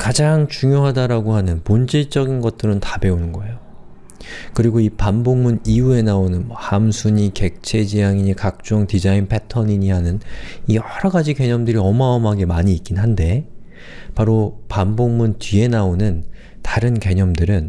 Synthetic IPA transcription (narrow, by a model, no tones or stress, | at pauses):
kad͡ʑaŋt͡ɕuŋjoɦadaɾaɡoɦanɯnpond͡ʑit͡ɕ͈ʌɡinɡʌt̚t͈ɯɾɯntḁbe̞unɯnɡʌe̞jo | kɯɾiɡoipamboŋmuniue̞naonɯnmʌhamsʰuɲike̞k̚t͡ɕʰe̞d͡ʑijaŋiɲikak̚t͡ɕ͈oŋtid͡ʑainpʰe̞tʰʌɲiɲiɦanɯnijʌɾʌɡad͡ʑike̞ɲʌmdɯɾiʌmaʌmaɡe̞maɲiːt̚k͈inɦande̞ | paɾopamboŋmuntɥie̞naonɯn | taɾɯnke̞ɲʌmdɯɾɯn